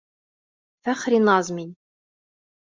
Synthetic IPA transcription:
fæχɾinɑzˤmin

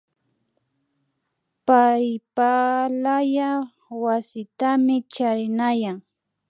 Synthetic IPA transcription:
pajpalaja | wasɪt̪amɪt͡ʃaɾɪnajaŋ

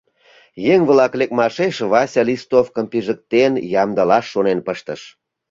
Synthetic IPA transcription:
jeŋβlɑklek̚mɑʃeʃβɑsʲɑlist̪ofkəmpiʒək̚t̪enjɑmd̪ɑlɑʃːonenpəʃt̪əʃ

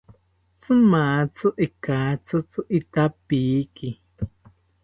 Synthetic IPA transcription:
t͡sɨmaːt͡suʔikaːt͡sut͡suʔit̪apiːki

